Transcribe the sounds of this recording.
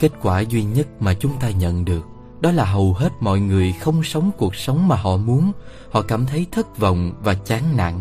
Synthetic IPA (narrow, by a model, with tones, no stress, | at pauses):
ke˦˥t̚kwaː˧˩zwi˧ɲə˦˥t̚maː˨˩t͡ɕʊ˨˦ŋ͡mt̪aː˧ɲə̰˧˨nɗɨ˨˩ək̚ | ɗɔ˨˦laː˨˩ɦə˨˩wɦe˦˥t̚mɔ̰˧˨jŋɨ˨˩əjxə˧wŋ͡msə˨˦wŋ͡mku˨˩ək̚sə˨˦wŋ͡mmaː˨˩ɦɔ̰˧˨mu˨˦ən | hɔ̰˧˨kaː˧˩mt̪ʰə˨˦jt̪ʰə˦˥t̚və̰˧˨wŋ͡mvaː˨˩t͡ɕaː˨˦nna̰˧˨ŋ